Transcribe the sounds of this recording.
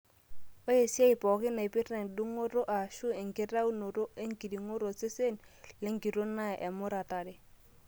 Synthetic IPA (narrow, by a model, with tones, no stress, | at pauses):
o˦e˨sja˦ɪ˨pɔ˨kɪ˦na˨e˨pɪ˦ɾɛ˨ndu˦ŋo˦ɾo˦ʔa˨ʃʊ˦e˨ŋkɪ˦ɾa˦u˦no˨ɾo˦e˦ŋki˨ɾi˨ŋo˦ɾo˨se˦se˦n | le˦ŋki˨ɾo˦na˦˨ʔɛ˨mʊ˦ɾa˨ta˨ɾe˦